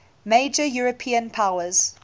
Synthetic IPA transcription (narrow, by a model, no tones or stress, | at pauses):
med͡ʒəjuɹəpʰiːə̃npʰaʊəz̥